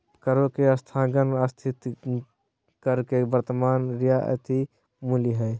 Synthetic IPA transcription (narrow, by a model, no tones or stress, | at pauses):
kəɾokeəst̪ʰãːɡənəst̪ʰɪt̪ | kəɾkebəɾt̪əmaːnɾijaʔə̰t̪i | muliɦɛː